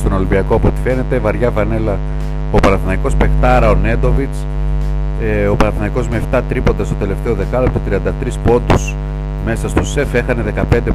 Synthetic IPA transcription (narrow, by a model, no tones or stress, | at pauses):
st̪ono̞limbiɐkoɐpo̞t̪i̥fe̞ne̞t̪e̞vɐɾʝɐvɐne̞lɐ | o̞pɐɾɐθnɐiko̞spe̞xt̪ɐɾɐone̞d̪o̞vit͡s | opɐɾɐθnɐiko̞zmeːft̪ɐt̪ɾipo̞nd̪ɐst̪o̞t̪e̞le̞ft̪e̞o̞ðe̞kɐlopt̪ot̪ɾiɐnd̪ɐt̪ɾispo̞nd̪us | me̞sɐst̪o̞se̞fe̞xɐne̞ðe̞kɐp̞nd̪e